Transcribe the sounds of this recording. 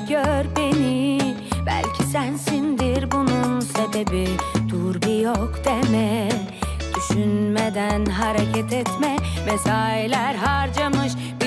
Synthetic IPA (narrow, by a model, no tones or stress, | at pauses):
ɡ̥øɾbeni | bæ̰lʲcʰisænsind̪iɾbununsebe̞bid̪̥uɾbijokd̪̥emɛ | d̪̥yʃynmed̪ænɦaɾecʰɛt̪ʰɛt̪mɛvɛsaːilʲæɾɦaɾd͡ʒamɯʃ | b